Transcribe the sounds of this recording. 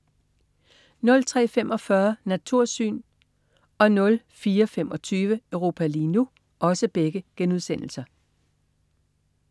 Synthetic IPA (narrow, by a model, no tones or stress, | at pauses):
nɔ̽lt͡sʰʁɛ̰ːfemʔɒ̽fɶɐnæt͡sʰuɐ̰sy̰ːn | ɒ̽nɔ̽l | fiːɐfem̰ɒ̽t͡sʰyːʋəœʊʁo̝ːpʰælinu | ɒ̽səb̥eɡ̥əɡ̥enuðˠsen̰l̩sɐ